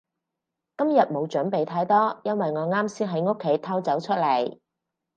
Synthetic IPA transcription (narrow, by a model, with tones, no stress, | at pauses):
kɐ˥mjɐ˨t̚mo˨˧wt͡ʃɵ˨˥npe˨jt̪ʰaː˥jt̪ɔː˥jɐ˥nwɐ˨jŋɔː˨˧ŋaː˥msiː˥nɦɐ˨˧˥jŋo˥kʰːe˨˥jt̪ʰɐ˥wt͡sɐ˨˥wt͡ʃʰɵ˥t̚lɐ˨˩j